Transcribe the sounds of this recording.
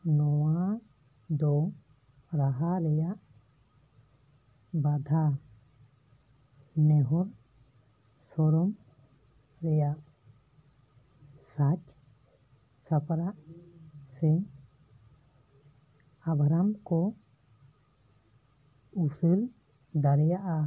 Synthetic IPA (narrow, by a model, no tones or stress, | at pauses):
nɔwa | d̪ɔ | ɾaɦaɾɛjaʔ | bad̪ʱa | nɛɦɔɾ | sɔɾɔm | ɾɛjaʔ | sat͡ʃ | sapʰɾaʔ | sɛɲ | abʱɾamkɔ | usəɾ | d̪aɾɛjaʔa